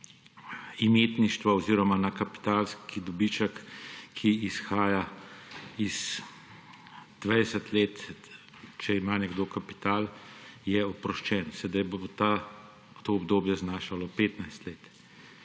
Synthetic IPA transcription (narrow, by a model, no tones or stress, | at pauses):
imeːt̪niʃt̪ʋaɔziːɾɔmanakapi̥t̪aːlskid̪ɔbit͡ʃəkːʰiːsxaːja | iz | d̪̥ʋajɛsət̪leːt̪ | t͡ʃɛimaːnɛɡd̪oːkapi̥t̪aːljɛɔpɾɔʃt͡ʃɛːnsɛd̪ajbot̪a | t̪oːbd̪oːbjɛznaːʃalɔpeːt̪najst̪leːt̪